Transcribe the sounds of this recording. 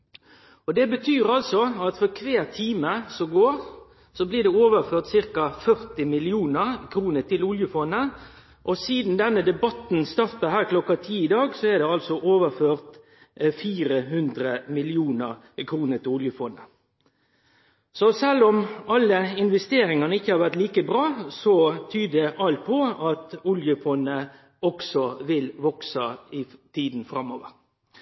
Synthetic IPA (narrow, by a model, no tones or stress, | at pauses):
ɔd̪ɛbət̪ʰyːɾɑlsɔɑt̪fɔɾkʰʋeːɾt̪ʰiːməsɔɡoːɾ | sɔbliːd̪ɛoːʋəɾføːɾt̪sɪɾkɑfœɾt̪ɪmɪlɪuːnəɾkʰɾuːnət̪ɪlʊljəfɔnːə | ʔɔsiːd̪n̩d̪ɛnːəd̪ɛbɑt̪n̩st̪ɑɾt̪əɦæːɾkʰlɔkːɑt̪ʰiːɪd̪ɑːɡsɔɛɖ̪ɛɑlsɔʔoːʋəføːʁt̪ | fiːɾəɦʉnd̪ɾəmɪlɪuːnəɾ | kʰɾuːnəɾt̪ɪʊljəfɔnə | sɔsɛlːɔmɑlːəɪnʋɛst̪eːɾɪŋɑnəɪçːəhɑɾʋæʁt̪liːkəbɾɑːsɔt̪ʰyːdd̪ɛʔɑlt̪̚pʰɔɑt̪ʊljəfɔnːə | ɔksɔʋɪlʋɔksɑɪt̪ʰiːd̪n̩fɾɑmːɔːʋəɾ